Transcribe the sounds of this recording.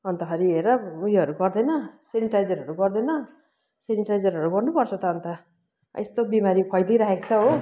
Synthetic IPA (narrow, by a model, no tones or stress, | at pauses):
ʌnt̪ʌɦʌɾieɾʌujɦʌɾuɡʌrd̪ʌnʌseniʈajd͡zʌɾɦʌɾuɡʌrd̪ʌnʌ | seniʈajd͡zʌɾɦʌɾuɡʌrnupʌrt͡sʰʌt̪ʌːnt̪ʌ | ḛst̪obimaɾipʰʌjliɾaɦekt͡sʰʌɦo